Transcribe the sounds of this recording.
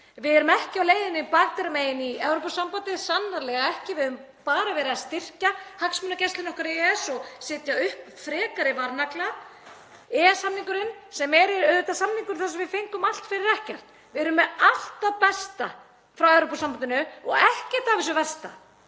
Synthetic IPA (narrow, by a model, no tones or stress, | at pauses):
vɪðɛɾʏmɛhcɪawleːjðɪnɪpaɣt̪aɾmeːjɪniɛwɾopasampant̪ɪsanːaɾlɛɣaɛhcɪvɪðɪʏʏm | paːɾavɛːɾɪast̪ɪr̥cahaksmʏnacɛst̪ɪnɔhkʏɾɛɛsɔɣsɪːt̪jaʏhpfɾɛːkaɾɪvaɾnakla | ɛːɛshamniŋkʏɾɪnsɛmɛɾɪɾœðʏt̪asamniŋkʏɾ̥θasɛmvɪfeŋkʏmal̥t̪fɪɾɪɾɛhcɛr̥t̪ | vɪɛɾʏmɛal̥t̪apɛst̪a | fɾawɛvɾopasampant̪ɪnʏɔɣɛhcɪt̪aːvɪs̬ʏvɛst̪a